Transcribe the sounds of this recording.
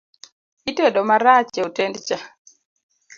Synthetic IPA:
itɛɗɔmaɾat͡ʃɛotɛndt͡ʃa

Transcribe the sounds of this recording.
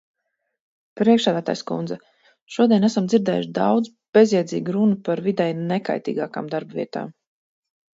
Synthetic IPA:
pɾiɛkʃsæːd̪æːt̪aːjskṵnd̪zɛ | ʃuɔd̪ʲiɛnæsamziɾd̪ɛ̰ːjuʃd̪awd̪z | b̥ezjɛzḭːɡuɾunupaɾvid̪ɛjneka̰jt̪ḭːɡaːka̰ːmd̪aɾbavḭɛt̪a̰ːm

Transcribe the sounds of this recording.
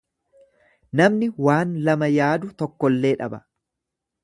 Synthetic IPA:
nɐmnɪwaːnlɐmɐjaːd̪ʊt̪ɔkːɔlːe̞ːᶑɐbɐ̥

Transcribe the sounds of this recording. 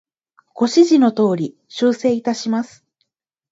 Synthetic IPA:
ɡ̥o̞ɕiʑino̞t̪o̞ːɾʲi | ɕɨːse̞ːit̪aɕimasɨ̥

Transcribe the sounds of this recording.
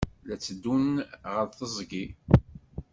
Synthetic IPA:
læt͡sːəd̪ːunʁəɾθəzˤɡi

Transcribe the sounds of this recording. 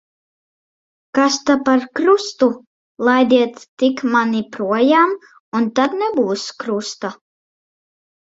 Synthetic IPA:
kast̪apaɾkɾust̪u | lˠajd̪ʲiɛt̪ːikmanipɾuɔjaːm | unt̪at̪nʲɛbuːskɾust̪a

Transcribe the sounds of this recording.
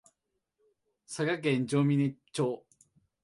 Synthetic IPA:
saɡak̬ẽɲd͡ʑoːmʲinet͡ɕoː

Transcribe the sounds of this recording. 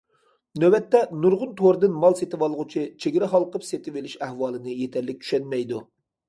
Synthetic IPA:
nøwɛt̪ːɛnuɾʁʊnt̪ʰoɾɨd̪ɨnmɑlˠset̪ɪwɑlˠʁʊt͡ʃʰit͡ʃʰeɡʲɪɾɛχɑlˠqəpset̪ʰɪvelɪʃæhwɑːlˠɨnɨjet̪ʰɛɾlːɪk̚ʲt͡ʃ̪ʰy̥ʃɛnmɛjd̪u

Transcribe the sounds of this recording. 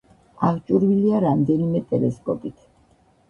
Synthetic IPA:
aʁt͡ʃʼuɾviliaɾamd̪ɛnimɛt̪ʼɛlɛskʼɔpʼit̪ʰ

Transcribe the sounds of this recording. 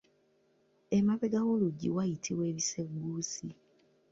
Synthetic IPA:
emaβeɡaɣo̞luɟiwajitʰiwe̞ːβise̞ɡːuːsi

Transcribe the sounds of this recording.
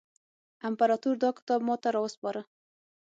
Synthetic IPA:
ampaɾɑt̪uɾd̪ɑkɪ̥t̪ɑb̚mɑt̪aɾɑwəspɑɾə

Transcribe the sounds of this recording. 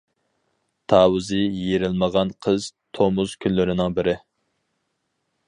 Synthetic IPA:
t̪ʰɑːwɨzɨjeɾɪlməʁɑnqʰəz̥t̪ʰomuz̥kʲʰynlyɾɪnɪŋbɪɾɪ

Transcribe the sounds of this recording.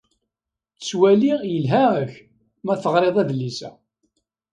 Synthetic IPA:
t͡sswælijəlɦæəç | mæθəʁɾˤeðˤæðlːisæ̰

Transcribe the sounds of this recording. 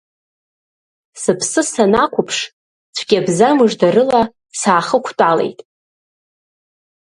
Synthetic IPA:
sɨpʰsɨsanakʷʰʊpʰʂ | t͡sʷʰɡʲabzamɨʐdaɾɨla | saːχəkʷʰtʷʼale̞̰jtʼ

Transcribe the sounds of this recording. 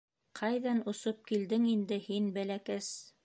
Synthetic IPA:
qʰɑjðɑnŏsop̚kild̪ɘŋind̪ɘhinbælækæs

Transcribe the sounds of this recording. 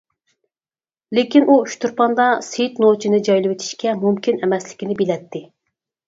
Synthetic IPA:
lɪkʲinʔuyʃt̪uɾpɑnd̪ɑset̪not͡ʃʰinɪd͡ʒɑjlˠɨwet̪ʰi̥ʃkʲɛmumkʲʰinɛmɛslɪ̥kʲinɪbɪlɛt̪ʰːɪ

